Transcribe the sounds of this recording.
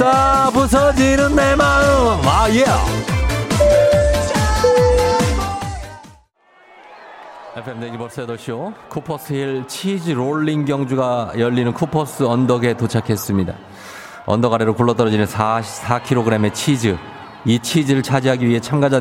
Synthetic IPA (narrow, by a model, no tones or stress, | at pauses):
sabus̬ʰʌd͡ʑinɯnːemaɯmajea̰ | epʰemdeɡimʌɭs͈ʌedoɭɕ͈iokʰupʰʌs͈ʰɯiɭt͡ɕʰid͡ʑɯɾoɭːiŋɡjʌŋd͡ʑuɡajʌʎːinɯnkʰupʰʌs͈ʰɯʌndʌɡe̞tot͡ɕʰakʰe̞s͈ɯmɲida̰ | ʌ̰ndʌɣaɾe̞ɾokuɭːʌt͈ʌɾʌd͡ʑinɯnʰasʰakʰiɾoɡɯɾe̞me̞t͡ɕʰid͡ʑɯ | it͡ɕʰid͡ʑiɾɯɭt͡ɕʰad͡ʑiɦaɡiɥiɦe̞t͡ɕʰamɡad͡ʑad